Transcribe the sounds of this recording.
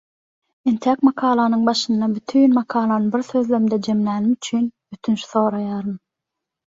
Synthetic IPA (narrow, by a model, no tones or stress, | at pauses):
ent̪ʰæːkmɑkʰɑːlˠɑnɯŋbɑʃɯnːɑbyt̪ʰyːnmɑqʰɑːlˠɑnɯbiɾθø̞ðlømd̪ed͡ʒe̞mlæːnimyt͡ʃʰyːnbyt̪ʰynʃθo̞ːɾɑjɑːɾɯm